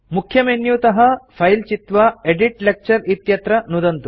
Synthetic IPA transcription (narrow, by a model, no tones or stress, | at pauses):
mukʰjɐmenjut̪ɐɦɐpʰɐjlt͡ʃit̪ʋɐeɖiʈlek̚t͡ʃɐɾit̪jɐt̪ɾɐnud̪ɐnt̪u